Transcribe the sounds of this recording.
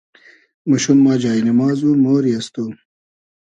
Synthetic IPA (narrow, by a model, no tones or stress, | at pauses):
mɐɕunmɑːd͡ʑaːinɐmaːzuːmoːɾijɐst̪o